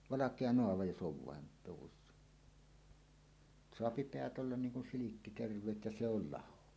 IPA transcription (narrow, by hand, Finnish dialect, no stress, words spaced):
ʋɑlɑkˑeɑ noɑʋɑ jos ʔoʋ ʋɑˑen luwusːɑ soɑpi peæt olːɑn niːŋ kun silikːi terʋˑeːt jɑ se ol lɑho